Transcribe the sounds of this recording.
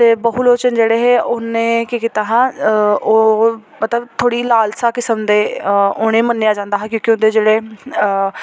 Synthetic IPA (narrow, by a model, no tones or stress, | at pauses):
t̪eːbəɦuloːt͡ʃənd͡ʒeːɽeːɦeːʔʊnẽːkikit̪aːɦãːoːmət̪ləbt̪ʰoːɽiːlaːlsaːkɪsəmd̪eːʊːɽ̃ẽːmənːeːaːd͡ʒãːnd̪aːɦãːkjõːkiʊ̃nd̪eːd͡ʒeːɽeː